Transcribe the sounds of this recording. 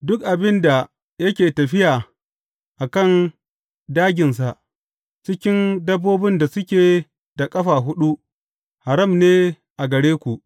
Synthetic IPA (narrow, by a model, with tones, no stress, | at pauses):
dʊ˦k̚ʔa˨bɪ˦nda˨ | jɐ˦kʲeː˨tɐ˨ɸɪ˦jaː˨ | ʔa˨kɐ˦˨n | daː˦ɡʲɪ˨ns̬a˨ʔ | t͡ʃɪ˦kʲɪ˦ndɐ˦bːoː˦bɪ˦nda˨sʊ˦kʲeː˨ | da˨kʼɐ˦ɸaː˨ɦʊ˦ɗu˦ | ha˨ɾɐ˦˨mneː˦ | ʔa˨ɡɐ˨ɽeː˦kʷu˨ʔ